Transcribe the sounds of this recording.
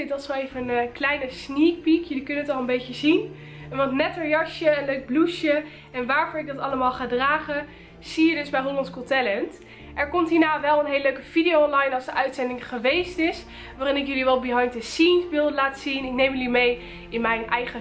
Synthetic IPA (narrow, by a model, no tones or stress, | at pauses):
dɑtsoejvənənklɛjnəsnik̚pikjɵlikɵnənətɑlˠənbejcəzin | ʋɑntnɛtəɹjɑʃjəənløɥɡ̚bluʃjə | ɛnʋaːɹvʊːɹɪɡ̚dɑtɑləmaːlˠχaːdraːχə | z̥ijədɵzbɛjrɔlɑnskɔtɛlɛnt | ʔɛɹkɔmtɦiːɹnaːʋɛlˠənɦejləløɥkəv̥idijowɔnlɑjnɑlˠzdəʔœɥtsɛndɪŋχəʋejstɪs | ʋaːrɪnɪkjɵliʋɛlˠbəɦɑjnt̚dəsinzbɪlˠdəlaːtsinɪknejmjəlimej | ɪnmɛjnʔɛjχə